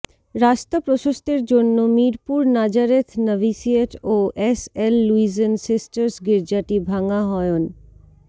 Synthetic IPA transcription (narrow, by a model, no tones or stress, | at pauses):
ɾaʃt̪apɾoʃoʃt̪eɾd͡ʑonːomiɾpuɾnad͡ʑaɾet̪ʰnəbisieʈoʔeselːuizensisʈəɾsɡeɾd͡ʑaʈibʱaŋaɦɔeon